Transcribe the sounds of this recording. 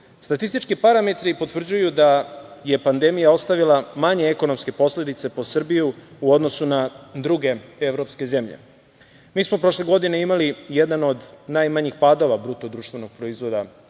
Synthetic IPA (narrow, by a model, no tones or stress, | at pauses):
st̪at̪ist̪it͡ʃkipaɾame̞t̪ɾipo̞t̪ʋr̩d͡ʑujud̪aje̞pand̪e̞mijao̞st̪aʋilˠamaɲeeko̞no̞mske̞po̞sle̞d̪it̪se̞po̞sr̩bijuuo̞d̪no̞sunad̪ɾuɡe̞eʋɾo̞pske̞ze̞mʎḛ | miːsmo̞pɾo̞ʃle̞ɡo̞d̪ine̞imalijed̪ano̞d̪najmaɲixpaːd̪o̞ʋabɾut̪od̪ɾuːʃt̪ʋe̞no̞ɡ̥̚pɾoizʋo̞d̪a